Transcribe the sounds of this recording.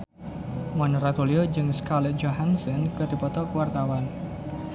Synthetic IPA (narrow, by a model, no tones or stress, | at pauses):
mɔnɾat̪oliod͡ʒɨŋskalɛt̪̚d͡ʒoɦansɔnkɨrdipɔt̪ɔkəwart̪awan